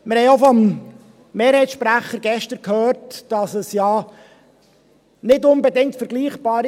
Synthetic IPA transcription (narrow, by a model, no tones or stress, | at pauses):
mɪɾhɛɪofɔm | meːɾhɛɪtsʃpɾæχəɾɡɛʃtəɾkhøːrtd̥ɑsəsjɑː | nɪdʊnbɛdɪŋ̚tfəɾɡliːχb̥ɑːɾ